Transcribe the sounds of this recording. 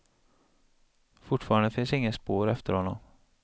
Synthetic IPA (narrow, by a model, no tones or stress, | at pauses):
fʊʈfɑːɾand̪əfɪnsɪŋːəspoːɾɛft̪əɾhɔnːɔ̰m